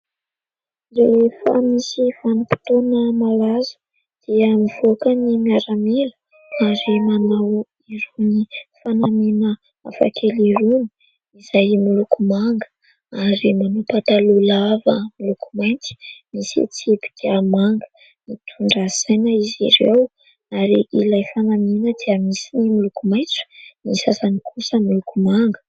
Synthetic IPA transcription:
rewefə̰misifanipi̥t̪onəmalazu̥ | d̪̥iəmiv̥okənimiaɾamelə̥ | aɾimanaw | iɾunifanamenə | a̰fa̰kʰeliɾuni̥ | izajmilukumaŋɡə̥ | aɾimanupat̪alulavəmilukumajnt͡si̥misḛt͡sepi̥d̪̥eamaŋɡə̥ | nit̪ʰuɳɖ͡ʐasajnəiziɾew | aɾiʔilajfanamenəd̪̥eəmisinimilukumajnt͡sə̥misasanikʰusəmilukumaŋɡə̥

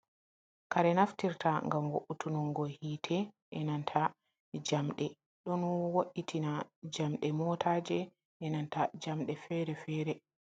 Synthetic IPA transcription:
kaɾɛnaftiɾtʰaŋɡamwoʔutunuŋɡɔhiːtʰɛ | ʔɛnantʰa | d͡ʒamɗɛ | ɗɔnwoʔːitʰinad͡ʒamɗɛmɔtʰaːd͡ʒɛ | ʔːnantad͡ʒamɗɛfɛɾɛfɛːɾɛ

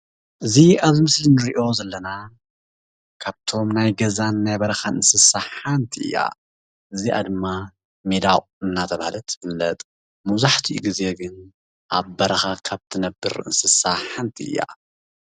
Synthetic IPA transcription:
ʔɨziaβmɨslinɨɾiʔo̞zɐlːɐna | kʰaβt̪ʰo̞mnajɡɐzanːajbɐɾɐxanɨnsɨsaħant̪ʰiʔɨ̰jːa̰ | ʔɨziʔa̰d̪ɨmːa | med̪aw | ɨnːat̪ʰɐβahlɐt̪ʰːfɨlːɐt̪ʼ | mɐzaħt̪ʰiʔṵɡize̞ɡɨn | ʔaβːɐɾɐxakʰaβt̪ʰɨnɐbːɨ̰ɾɨ̰nsɨsaħant̪ʰiɨ̰jːa̰

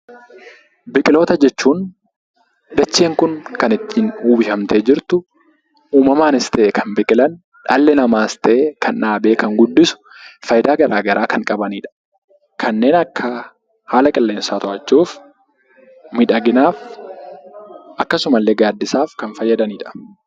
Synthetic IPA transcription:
bɪkʼɪlo̞ːt̪ɐd͡ʒɛt͡ʃːuːn | d̪ɐt͡ʃːeːŋkʊnkɐnɪt̪ːiːnuːbɪhɐmt̪ʰeːd͡ʒɪɾt̪ʊ | uːmɐmaːnɪst̪ɛʔeːkʰɐnbɪkʼɪlɐn | ᶑɐlːɛnɐmaːɪst̪ʰɛʔeːkʰɐnᶑaːbe̞ːkɐŋɡʊd̪ːɪsʊ̥fɐjd̪aːɡɐɾaːɡɐɾʔaːkɐŋkʼɐbɐniːᶑɐ̥ | kʰɐnːe̞ːnɐkːɐ | haːlɐkʼɪlːe̞ːnsaːt̪ɔʔɐt͡ʃːuːf | mɪᶑɐɡɪnaːf | ʔɐkːɐsʊmɐlːeɡaːd̪ːɪsaːfkɐnfɐjːɐd̪ɐniːᶑɐ̥

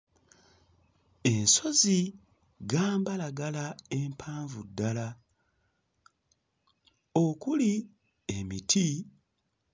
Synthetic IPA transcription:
e̞nso̞zi | ɡaːmbalaɡalae̞mpʰaːɱvudːala | okuli | emitʰi

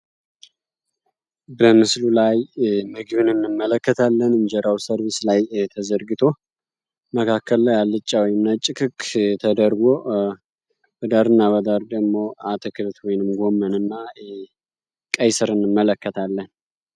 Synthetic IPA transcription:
bəmɨslulajmɨɡɨβɨnɨnːɨmːələkːət̪ʰalːənɨnd͡ʒɛɾawsəɾβeslajt̪ʰəzəɾɡɨt̪ʰo̞ | məkʰakʰːəlːajalːɨt͡ʃʼːawɔjɨmnat͡ʃʼːɪkʰɨkːt̪ʰəd̪əɾɡo | bəd̪aɾɨnːaβəd̪aɾd̪əɡmo̞at̪ʰɨkʰɨlt̪wɔjnɨmɡo̞mənɨnːa | kʼəjsɨɾɨnːɨmːələkːət̪ʰalːən

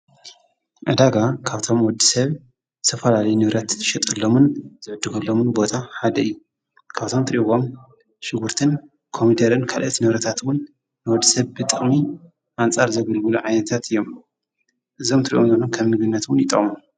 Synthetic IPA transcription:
ʔɐd̪aɡakʰaβt̪ʰo̞mwɔd̪ːisɐβ | zɨt̪ʰɐfɐlalɐjunɨβɾɐt̪ʃɛt̪ʼɐlːomunz̥ɨʕɨd̪ːɨɡɐlːo̞mɨnbo̞t̪ʰaħad̪ɐɨjːu | kʰaβt̪ʰomt̪ʰɨɾiɡo̞m | ʃɪɡuɾt̪ʰɨn | kʰo̞mid̪ɐɾɨnkʰalʔɐt̪nɨβɾɐt̪ʰat̪wʊnː | ɨwɔd̪ːisɐβbɨt̪ʼɨχʼmi | ʔant͡sʼaɾzɐɡɐlɡɨluʕajnɐt̪ʰat̪ɨjːo̞m | ʔɨzo̞mt̪ʰɨɾḭʔomzɨnomkʰɐmnɨɡɨnːɐt̪wʊnjɪt̪ʼɐ̰χʼmum

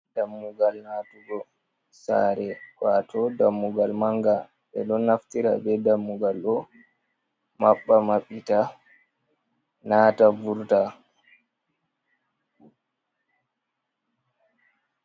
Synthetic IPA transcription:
damːuɡalnatuɡɔ | sa̰ɾɛkwatɔdamːuɡalmaŋɡa | ɓɛ̰ɗɔnːaftiɾa̰bɛdamːuɡalɗɔ | maɓːamaɓːita | naːtavuɾta

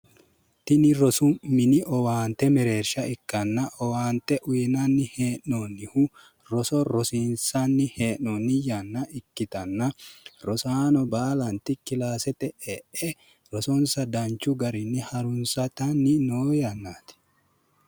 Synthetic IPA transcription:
t̪ɪnɪɾɔsʊmɪnɪʔɔwaːnt̪ɛmɛɾe̞ːɾʃɐɪkːɐnːɐʔɔwaːnt̪ɛʔʊjɛnɐnːɪheːʔːonːɪhu | ɾɔsɔɾɔsiːnsɐnːɪheːʔɔnːɪjɐnːɐʔɪkːɪt̪ɐnːɐɾɔsaːnɔbaːlɐnt̪ɪkːɪlaːsɛt̪ɛʔɛʔɛ | ɾɔsɔnsɐd̪ɐnt͡ʃːʊɡɐɾɪnːɪhɐɾʊnsɐt̪ɐnːɪnoːjɐnːaːt̪ɪ̥

